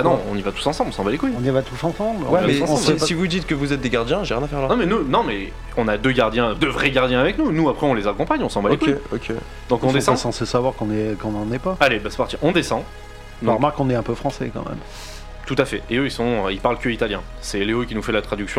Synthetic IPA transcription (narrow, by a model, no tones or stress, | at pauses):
anɔ̃ɔ̰̃nivat̪u̥sɑ̃sɑ̃blɔ̃sɑ̃valekujɔ̃nivat̪usɑ̃sɑ̃blwɛivamɛusɑ̃blssivud̪it̪kəvuzɛt̪̚d̪eɡaʁd̪jɛ̃ʒeʁjɛ̃nafɛʁlanɔ̃mɛnunɔ̃mɛ | ɔ̃nad̪øɡʲaʁd̪jɛ̃d̪əvʁɛɡaʁd̪jɛ̃avɛknunuapχɛɔ̃lezakɔ̃paɲɔ̃sɑ̃balekujokʲe | d̪ɔ̃kɔ̃d̪esɑɛ̃sɑ̃sesavwaʁkɔ̃nɛkɔ̃nɑ̃nɛpaalebase̥paʁt̪iʔɔ̃d̪esɑ̃ | ɔ̃ʁmaʁkːɔ̃nɛɛ̃pøfχɑ̃sɛ̰kɑ̰̃mɛ̰m | t̪ut̪afɛeøilsɔ̃ilpaʁlkʲəit̪aljɛ̃ | sɛleokʲinufɛlat̪χad̪yksjɔ̃